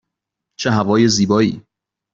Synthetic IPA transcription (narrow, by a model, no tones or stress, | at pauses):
t͡ʃʰeɦævɒːjeziːbɒːḭː